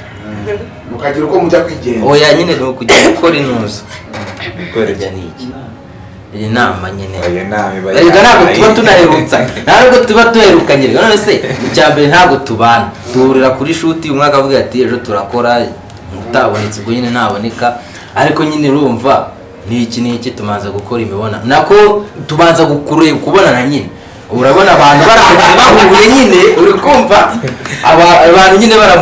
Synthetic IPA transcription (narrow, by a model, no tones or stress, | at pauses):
ukaɟiɾukomuɟakwiɟeojaɲinenukuɟakʰoɾinuːzu̥ | keɟaniɟi | ijinaːmaɲineniɡanhaːɡotuβatunaheɾut͡san̥aɾɡotuβatuheɾukaɲiɾeɡanoneseicaːmbe̞ɾen̥haːɡotuβana | tuhuɾiɾakuɾiʃutiumŋaːkavuɡiɾatieʒo̞tuɾako̞ɾa | muutaβo̞net͡siβɡoɲinen̥haːβo̞ne̞kaː | ɾiko̞ɲineɾuːɱva | nicinicituβaːnzaɡuko̞ɾimiβo̞na̰nako̞tuβaːnzaɡukuɾekuβo̞nanaɲine | βuɾaβo̞naːβaːn̥uβaɾakoɲaβahuɾuɾeɲine̞uɾikuːɱva | βaβaːn̥huɲineβaɾa